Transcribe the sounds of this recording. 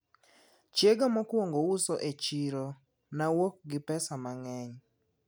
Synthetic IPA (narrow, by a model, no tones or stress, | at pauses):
t͡ʃjeɡamɔkwoŋɡousoʔet͡ʃiɾo | nawok̚ɡɪpɛsamaŋɛɲ